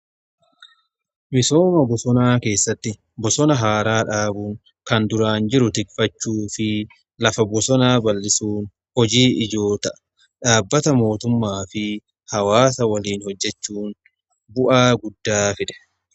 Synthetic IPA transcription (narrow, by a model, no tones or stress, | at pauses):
mɪso̞ːmɐbɔsɔnaːke̞ːsːɐt̪ːɪ | bɔsɔnɐɦaːɾaːᶑaːbʊŋ | kɐnd̪ʊɾaːnd͡ʒɪɾʊt̪ɪkfɐt͡ʃːuːfɪ | lɐfɐbɔsɔnaːbɐlːɪsuːn | hɔd͡ʒiːʔɪd͡ʒo̞ːt̪ɐʔɐ̥ | ᶑaːbːɐt̪ɐmo̞ːt̪ʊmːaːfɪ | hɐwaːsɐwɐliːnhɔd͡ʒːɛt͡ʃːuːn | bʊʔaːɡʊd̪ːaːfɪᶑɛ̥